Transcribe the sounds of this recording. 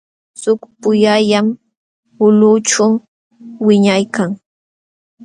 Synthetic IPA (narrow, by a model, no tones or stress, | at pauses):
sʊkpʊjaʎam | ʊlʊʈ͡ʂa | wɪɲajkaŋ